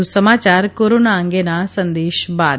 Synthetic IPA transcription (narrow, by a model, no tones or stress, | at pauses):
usəmaːt͡ʃaːɾkoːɾoːnaə̃ŋɡenasə̃nd̪eːʃbaːd̪